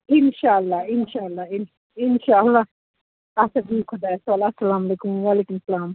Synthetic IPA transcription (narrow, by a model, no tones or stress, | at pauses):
ɪnʃaɐlːaɪnʃalːaɪn | ɪnʃaɐlːa | ɐsɐbikʰod̪aswalaɐsːɐlaːmɐlekʊmwaːlekumsɐlaːm